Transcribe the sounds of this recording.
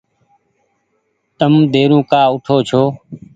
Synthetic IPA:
t̪əmd̪eːɾũːkaːʊʈʰoːt͡ʃʰoː

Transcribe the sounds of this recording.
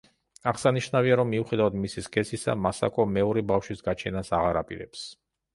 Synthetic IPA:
aʁsaniʃnaviaɾɔmːiuχɛd̪avad̪misiskʰʼɛsisa̰masa̰kʼɔmɛɔɾɛbafʃwisɡat͡ʃʰɛnasaʁaɾapʼiɾɛ̰ps

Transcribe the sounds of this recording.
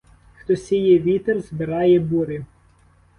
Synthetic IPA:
xt̪ɔsʲijɛʋʲit̪erzbɪɾɑjɛbuɾɪ

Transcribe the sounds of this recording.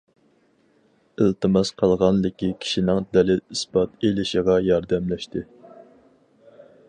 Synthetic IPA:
ɪlt̪ʰɨmɑzqʰɑlˠʁɑnlɪkʲikʲʰi̥ʃinɪŋd̪ɛlɪisbɑt̪elɪʃɪʁɑjɑɾd̪ɛmlɛʃt̪ʰɪ

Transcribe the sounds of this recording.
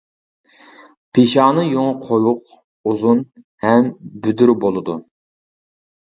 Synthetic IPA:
pʰeʃɑːnɨjoŋqʰojuq | uzun | hɛmbyd̪yɾbolˠɨd̪u

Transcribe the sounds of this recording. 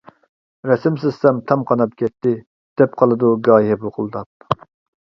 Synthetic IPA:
ɾɛsɪmsɪz̥sɛmt̪ʰɑmqʰɑnɑp̚kʲʰɛt̪ːɪ | d̪̥ɛpqʰɑlˠɨd̪uɡɑːjɛpoqʰʊlˠd̪ɑp̚

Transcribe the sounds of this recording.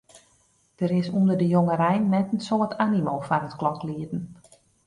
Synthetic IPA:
d̥əɾɪsundərdəjoŋəɾɛjnmɛtənsoːətʰanimoːfanətklɔkliədn̩

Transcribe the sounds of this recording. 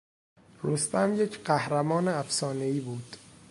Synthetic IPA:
ɾost̪æmjecʰɢæhɾæmɒːneæfsɒːneiːbuːd̪̥

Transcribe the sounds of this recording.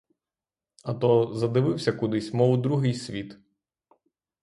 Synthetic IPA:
ɐt̪ɔzɐd̪ɪʋɪwsʲɐkʊd̪ɪsʲmɔwd̪ɾuɦɪjsʲʋʲit̪

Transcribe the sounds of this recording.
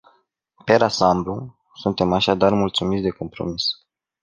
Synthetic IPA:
pe̞ɾasamblu | sunt̪e̞maʃad̪armult̪sumit̪sʲd̪e̞ko̞mpɾo̞̰mis

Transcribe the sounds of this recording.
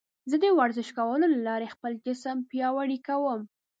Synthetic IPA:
zəd̪əwaɾzɪʃkawəlolalɑɾexpəld͡ʒɪsəmpjɑwaɽikawəm

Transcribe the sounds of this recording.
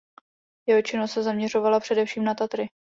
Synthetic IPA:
jɛɦot͡ʃɪnosɛzamɲɛr̝o̞valapr̥ɛdɛfʃiːmnat̪at̪ɾɪ

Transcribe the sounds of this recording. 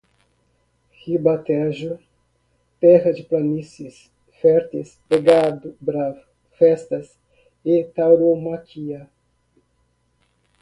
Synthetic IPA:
hibat̪ɛʒu | t̪ɛɣɐd͡ʒɪplanisis | fɛɾt̪is | eɡad̪ubɾav | fɛst̪ɐs | et̪awɾomakʰiɐ

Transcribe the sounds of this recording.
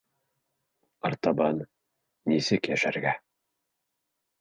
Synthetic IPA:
ɑɾt̪ɑbɑnː | isɘkjæʃæɾɡæ

